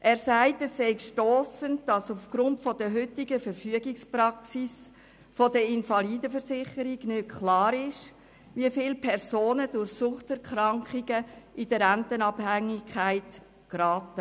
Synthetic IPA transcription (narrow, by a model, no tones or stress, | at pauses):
ʔɛːɾsæɪtɛsːɛɪkʃtɔːsənd̥ɑsufɡ̥ɾʊntfɔd̥əɦʏtɪɡəfəɾfyəɡɪksprɑksis | fodəɪnfɑliːdəfəɾsɪχəɾiɡnʏkʰlɑːɾɪʃ | ʋiəfɪːlpʰɛɾsoːnəd̥ʊɾçsʊχtɛɾkɾɑŋkχiɡəʔid̥əɾæntənɑphæŋɪkʰæɪt | kɾɑːtə